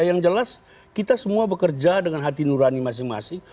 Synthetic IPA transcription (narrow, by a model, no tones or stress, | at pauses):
jaŋd͡ʒəlas | kit̪asəmuabəkərd͡ʒadəŋanɦat̪inuɾanimas̬ɪŋma̰sɪŋ